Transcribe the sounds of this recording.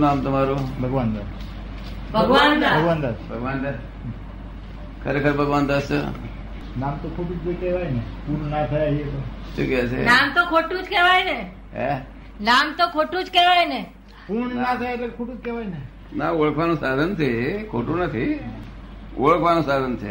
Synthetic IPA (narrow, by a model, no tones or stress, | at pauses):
namt̪əmaɾubʱəɡʋand̪a | bʱəɡʋand̪abʱəɡʋand̪atbʱəɡʋand̪aɾ | kʰəɾekʰəɾbʱəɡʋant̪astə̰ | namt̪okʰoʈud͡ʒd͡ʒəkeʋajnepuɳnat̪ʰajaɦiet̪oʃukeasʰḛnamt̪okʰoʈũd͡ʒkeʋajne | ɦḛ | namt̪okʰoʈud͡ʒkeʋajne | puɳnat̪ʰajat̪əɾkʰoʈuːd͡ʒkeʋajne | naoɭəkʰʋanũsad̪ʱənt̪ʰikʰoʈũnət̪ʰi | oɭəkʰʋanũsad̪ʱənt̪ʰe